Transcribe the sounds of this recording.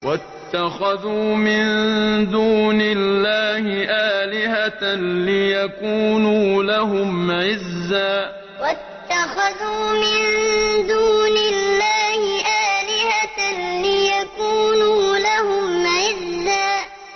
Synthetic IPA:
wat̪ːaxaðuːmɪnd̪uːnɪlːaːhɪʔaːlɪɦalɪjakuːnuːlaɦʊmʕɪzːaː | wat̪ːaxaðuːmɪnd̪uːnɪlːaːhɪʔaːlɪhalɪjakuːnuːlahʊmʕɪzːaː

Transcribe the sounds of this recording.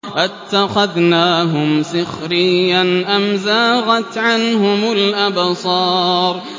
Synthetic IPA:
ʔɪt̪ːaxaðnaːɦʊmsɪxɾɪjːanʔamzaːɣat̪ʕanɦʊmalʔabsˤɑːɾˤ

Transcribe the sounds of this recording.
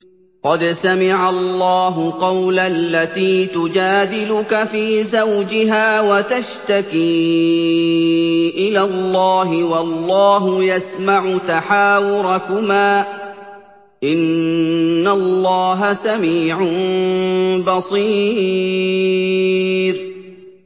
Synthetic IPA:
qɑd̪samɪʕalːɑːɦʊqɑwlalːat̪iːt̪ʊd͡ʒaːd̪ɪlʊkafiːzawd͡ʒɪɦaːwat̪aʃt̪akiː | ʔɪlalːɑːɦɪwɑlːɑːɦʊjasmaʕʊt̪aħaːwʊɾˤakʊmaː | ʔɪnː | alːɑːɦasamiːʕʊ | bɑsˤiː | ɾ

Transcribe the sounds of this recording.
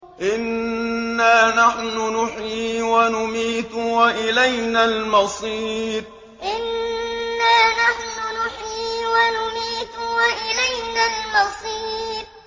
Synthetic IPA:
ʔɪnː | aːnaħnʊnʊħjiːwanʊmiːt̪waʔɪlajnaːlmɑsˤiːb̚ | ʔɪnː | aːnaħnʊnʊħiːwanʊmiːt̪waʔɪlajnaːlmɑsˤiːb̚

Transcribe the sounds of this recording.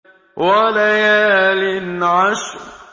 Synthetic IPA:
walajaːlɪnʕaʃɾ

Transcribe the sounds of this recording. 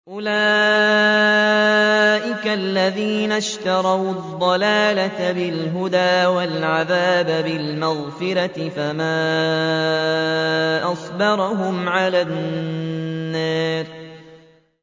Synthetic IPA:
ʔʊlaː | ʔɪkalːaðiːnaʃt̪ɑɾˤɑwd̪ˤːɑlaːlat̪abɪlɦʊd̪aːwalʕaðaːbabɪlmɑɣfɪɾat̪ɪfamaː | ʔɑsˤbɑɾˤɑɦʊmʕalanː | aːɾ

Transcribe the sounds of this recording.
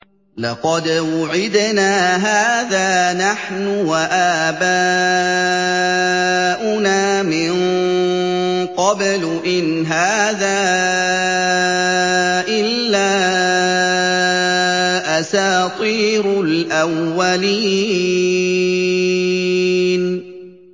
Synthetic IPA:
lɑqɑd̪wʊʕɪd̪naːɦaːðaːnaħnʊwaʔaːbaː | ʔʊnaːmɪn | qɑbl | ʔɪn | ɦaːðaː | ʔɪlːaː | ʔasaːt̪ˤiːɾʊlʔawːaliː | n

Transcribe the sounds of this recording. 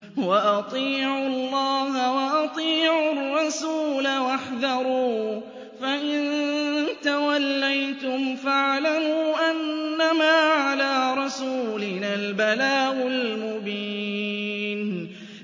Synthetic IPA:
waʔɑt̪ˤiːʕʊlˤːɑːɦawɑʔɑt̪ˤiːʕʊrˤːɑsuːlawaħðɑɾˤuː | faʔɪnt̪awalːajt̪ʊmfaʕlamuːʔanːamaːʕalaːɾˤɑsuːlɪnaːlbalaːʔʊlmʊbiː | n

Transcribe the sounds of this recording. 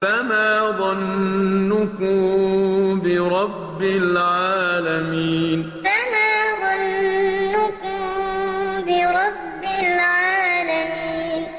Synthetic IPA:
famaːðˤɑnːʊkʊ | bɪɾˤɑbːɪlʕaːlamiːn | famaːðˤɑnː | ʊkʊm | bɪɾˤɑbːɪlʕaːlamiːn

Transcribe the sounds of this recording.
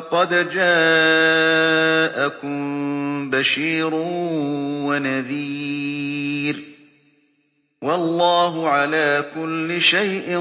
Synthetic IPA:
qɑd̪d͡ʒaː | ʔakʊmbaʃiːɾʊ | wanaðiː | ɾ | wɑlːɑːɦʊʕalaːkʊlːɪʃajʔɪ

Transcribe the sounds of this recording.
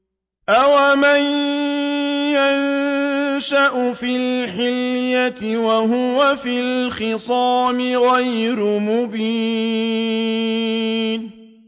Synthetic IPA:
ʔawaman | jan | ʃaʔʊfɪlħɪljat̪ɪwaɦʊwafilxɪsˤɑːmɪɣajɾʊmʊbiː | n

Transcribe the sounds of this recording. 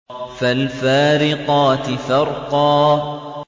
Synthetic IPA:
falfaːɾɪqɑːt̪ɪfɑɾˤqɑː

